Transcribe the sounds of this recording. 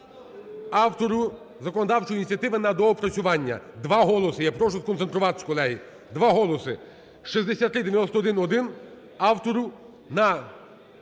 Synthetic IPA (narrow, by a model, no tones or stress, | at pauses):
ɑwt̪ɔɾʊ | zɐkɔnɔd̪ɑwt͡ʃɔjinʲitt͡sʲiɐt̪ɪʋɪnɐd̪ɔːpɾɐt͡sʲʊʋɑnʲːɐ̰d̪ʋɑɦɔlˠɔsɪjɛpɾɔʃʊskɔnsent̪ɾʊʋɑt̪ɪ̥skɔlˠɛɦi | d̪ʋɑɦɔlˠɔsɪ | ʃizd̪esʲat̪ːɾɪd̪eʋjɐnɔst̪ɔd̪ɪnɔd̪ɪn | ɑwt̪ɔɾʊ | nɐ